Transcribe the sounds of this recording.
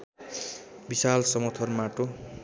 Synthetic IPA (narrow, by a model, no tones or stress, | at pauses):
bisalsʌmʌt̪ʰʌrmaʈo